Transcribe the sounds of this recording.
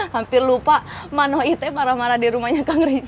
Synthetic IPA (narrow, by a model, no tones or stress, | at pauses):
hampɪrlupamanɔɦit̪ɛmaɾamaɾadiɾumahɲakaŋɾi